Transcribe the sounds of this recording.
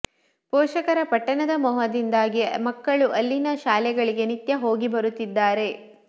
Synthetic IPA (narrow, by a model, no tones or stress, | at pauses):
pɔːʃɐkɐɾɐpɐʈːɐnɐd̪ɐmɔɦɐd̪ind̪aːɡimɐkːɐɭuʔɐlːinɐʃaːlɛɡɐɭiɡe̞nit̪jɐɦo̞ːɡibɐɾut̪ːid̪ːaːɾe̞